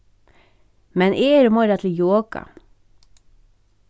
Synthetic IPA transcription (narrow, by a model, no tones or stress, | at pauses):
mɛnʔeːɾmoːɾɑt̪ʰl̩joːkɑ̰